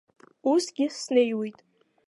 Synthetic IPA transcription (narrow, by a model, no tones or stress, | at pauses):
usɡʲɪsnejwijtʼ